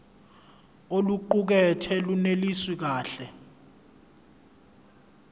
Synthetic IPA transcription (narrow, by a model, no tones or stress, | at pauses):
oluǃuk̬ɛtʰɛluneliswik̬aːɬɛ